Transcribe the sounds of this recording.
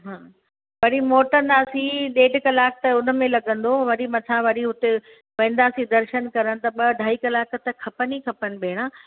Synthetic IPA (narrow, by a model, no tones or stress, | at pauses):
ɦãː | ʋɐɾimoːʈə̃nd̪aːsiɗeːɖʱkɐlaːk̚t̪ɐʊnə̆mẽlɐɡə̃nd̪oʋɐɾimɐ̃t̪ʰãʋɐɾiɦʊt̪e | ʋɐ̃ːnd̪aːsid̪ɐɾʃənkɐɾəñɪ̆t̪ɐɓɐɖʱaːikɐlaːkt̪ɐkʰɐpənikʰɐpənɪ̆ɓʱeːɽ̃ãː